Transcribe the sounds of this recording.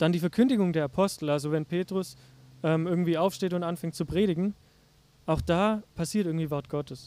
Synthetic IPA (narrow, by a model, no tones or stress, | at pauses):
d̥andiːfɛɐkʰʏndɪɡʊŋdeːɐapʰɔstl̩alzovɛnpʰeːtʁ̥ʊs | ʔɛːmʔɪɐɡŋ̩tv̥iːaʊfʃteːtʊntʔanfɛŋtt͡supʁ̥eːɾɪɡŋ̩ | ʔaʊxd̥aːpʰasiːɐtʔɪɐŋ̩tv̥iːvɔɐt̚ɡ̥ɔtʰəs